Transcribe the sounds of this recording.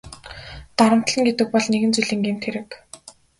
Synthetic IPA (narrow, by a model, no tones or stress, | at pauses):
t̪aɾə̆m̥t̪ɮə̆ŋɡet̪ɘ̆k̚pɔɮneɣɘ̆nt͡suɮĭːŋɡem̥t̪xeɾɘ̆k